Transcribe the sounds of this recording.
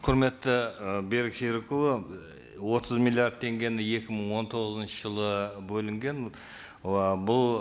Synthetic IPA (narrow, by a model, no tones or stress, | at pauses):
qʰʊɾme̞t̪ːɪbe̞ɾɪkʃeɾkʲuə | wo̞t̪ʰəzmʲilˠiard̪̚t̪ʰe̞ŋɡʲe̞nɪe̞kʲɪməɴwo̞nt̪ʰo̞ʁəzənʃəʒəlˠəbɵlɪŋɡʲe̞n | bʊlˠ